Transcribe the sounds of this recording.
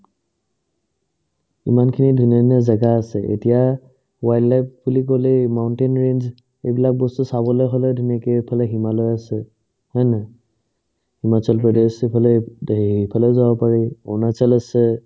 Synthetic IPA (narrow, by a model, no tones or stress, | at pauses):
ḭmankʰinidʱuniɔnazaɡaːsɛʔḛtija | wajdlajp̚bulikolɛmaʊntenɹenz | ejbilak̚bɔstusabɔlɔjɦolɛdʱunakepʰalɛɦimalɔjasɛ | hɛnɛ | himat͡ʃalpɹɔdesipʰalɛipʰalɛʊzabɔpaɹɛɔ̰nat͡ʃalasɛ